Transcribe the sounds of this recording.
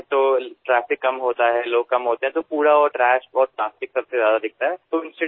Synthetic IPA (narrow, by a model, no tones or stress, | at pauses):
t̪oːʈɾɛːfɪkːɐmɦoːt̪aɦɛloːɡ̚kɐmɦoːt̪eɦɛ̃t̪opuːɽaɔːɾʈɾɛːʃɔːɾʈɾaːfɪksɐbsezjaːd̪ad̪ɪk̚t̪aɦɛt̪oːɪ̃nsʈɪ